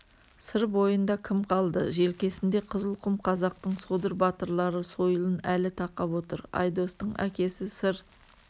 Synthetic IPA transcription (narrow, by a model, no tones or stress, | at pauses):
səɾbo̞jənd̪ɑkʲʰɪmqʰɑlˠd̪əʒe̞lkʲe̞sɪnd̪e̞qʰəzəlˠqʰʊmqʰɑzɑq̚t̪əɴsod̪əɾbɑt̪əɾlˠɑɾəso̞jəlˠənælɪt̪ʰɑqɑpwo̞t̪əɾɑ̰jd̪o̞st̪əɴæ̰kʲe̞sɪsəɾ